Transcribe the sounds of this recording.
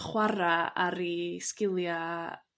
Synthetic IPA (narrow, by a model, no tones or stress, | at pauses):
χwaɾaaɾiskɪlˠja